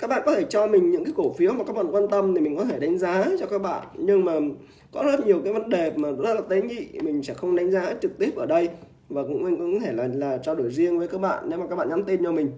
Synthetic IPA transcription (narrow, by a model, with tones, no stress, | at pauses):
ka˦˥k̚ɓa̰ː˧˨kɔ˨˦t̪ʰe˧˩t͡ɕɔ˧mï˨˩ŋ̟ɲɨ̰˧˥ŋkaː˨˦ko˧˩fi˨˦əwmaː˨˩kaː˦˥k̚ɓa̰ː˧˨kwaː˧nt̪ə˧mt̪ʰi˨˩mï˨˩ŋ̟kɔ˨˦t̪ʰe˧˩ɗa˨˦jŋ̟zaː˨˦t͡ɕɔ˧kaː˦˥k̚ɓa̰ː˧˨nɲɨ˧ŋmaː˨˩ | kɔ˨˦zə˦˥t̚ɲi˨˩əwkaː˨˦jvə˨˦nɗe˨˩maː˨˩zə˧˥˦laː˨˩t̪e˨˦ŋḭ˧˨mï˨˩ŋ̟sɛ̰˧˥˩xə˧wŋ͡mɗa˨˦jŋ̟zaː˨˦t͡ɕɨ˨˩k̚t̪i˦˥əp̚ʔəː˧˩ɗə˧j | vaː˨˩kʊ̰˧˥ŋ͡mʔa˧ŋkɔ˨˧˥ɔ˨˦t̪ʰe˧˩laː˨˩laː˨˩t͡ɕɔ˧ɗo˧˩jzi˧əŋvəː˨˦jkaː˦˥k̚ɓa̰ː˧˨nːe˨˦ma˨˩kaː˦˥ɓa̰ː˧˨nɲa˨˦mt̪i˧nt͡ɕɔ˧mï˨˩ŋ̟